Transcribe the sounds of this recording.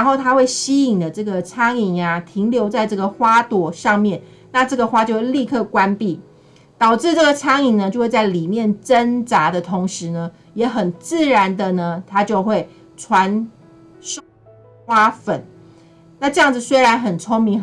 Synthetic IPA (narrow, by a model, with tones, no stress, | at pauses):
ɻa˧˥nxo˥˩ʊt̪ʰa˥xwe˥˩ɪɕi˥i˨˩ŋd̪ə˦ʈ͡ʂɤ˥˩ɡə˩t͡sʰɑ˥ŋi˨˩ŋa˩t̪ʰi˧˥ŋljo˧˥ʊt͡sa˥˧ɪʈ͡ʂɤ˥˩ɡə˨˩xwa˥t̪wɔ˨˩ʂɑ˥˧ŋmjɛ˥˨n | na˥˧ʈ͡ʂɤ˥˩ɡə˩xwa˥t͡ɕjo˥˧we˥˧li˥˧kʰɤ˥˩kwa˦npi˥˩ | t̪ɑ˨˩ʊʈ͡ʂɻ̩˥˧ʈ͡ʂɤ˥˩ɡə˩t͡sʰɑ˥ŋi˨˩ŋnə˩˦t͡ɕjo˥˧ʊwe˥˧t͡sa˥˩ɪli˨˩mjɛ˥˨nʈ͡ʂə˦nt͡sa˧˥d̪ə˨t̪ʰʊ˧˥ŋʂɻ̩˧˦nə˧ | jɛ˨˧˥xə˨˩nt͡sɹ̩˥˩ɻa˧˦nd̪ə˨nə˦t̪ʰa˥t͡ɕjo˥˧ʊxwe˥˩ɪ | ʈ͡ʂʰwa˧˦n | ʂ | xwa˥fə˨˩n | na˥˩ʈ͡ʂɤ˥˧jɑ˥˩ŋd͡z̩˨˩swe˥ɪɻa˧˦nxə˨˩nt͡sʰo˥ŋmi˧˥ŋ